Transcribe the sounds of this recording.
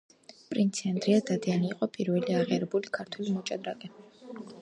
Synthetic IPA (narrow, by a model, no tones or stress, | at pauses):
pʼɾint̪sʰɛnd̪ʼɾiad̪ad̪ianiːqʼɔpʼiɾvɛliaʁɛɾɛbulikʰaɾt̪ʰwɛlimɔt͡ʃʼad̪ɾakʼɛ